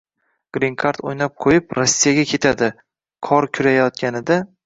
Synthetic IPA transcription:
ɡ̥ɾiŋkʰaɾt̪ojnap̚qʰojɪpɾɒsːijaɡʲakʲʰe̞t̪ʰad̪ɪ | qʰɒɾkʲʰʊɾajɒt̪̚ɡʲʰanɪd̪a

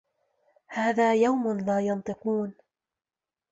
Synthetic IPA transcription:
haːðaːjawmʊnlaːjɑnt̪ˤɨquːn

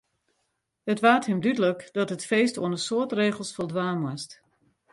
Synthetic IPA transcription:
hətʋaːthɪmdydələkdɔtɦətfeːsto̰ənəsoətreːɣəlˠsfɔlˠdʋaːnwast

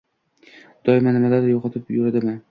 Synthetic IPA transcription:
d̪̥ɒɪmanɪmad̪ad̪ɪɾjɒqʰɑt̪ʰɪpjʊɾɪd̪ɪmɪ

